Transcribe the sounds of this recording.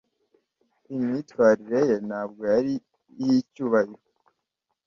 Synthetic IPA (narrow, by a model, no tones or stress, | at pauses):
imitwaːɾiɾe̞jenhaːbɡojaɾi | hicuːβahiɾo